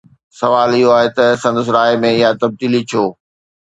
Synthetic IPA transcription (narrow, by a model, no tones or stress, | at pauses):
sɐʋaːlɪɦoaːɦet̪ɐsɐ̃nd̪əs̬ɾaːemẽɪɦat̪ɐb̚d̪iːlit͡ɕʰoː